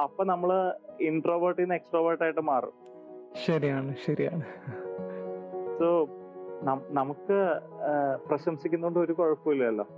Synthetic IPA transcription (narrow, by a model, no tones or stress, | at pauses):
ɐpːo̞ːnɐmːɐɭiɳʈroːʋɐrʈːinːeksʈroːʋɐrʈːaːjiʈːɨmaːrṵ | ɕɐɾijaːɳɨɕɐɾija̰ːɳɨ | soːnɐnɐmukːɨ | prɐɕɐmsikʲːunːɐkoɳɖɨo̞ɾukoɻɐpːuilːɐɐlːo̰ː